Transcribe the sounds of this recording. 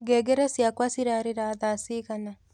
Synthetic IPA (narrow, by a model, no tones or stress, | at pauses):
ɡeɡeɾesjakwasiɾaɾeɾaðasikana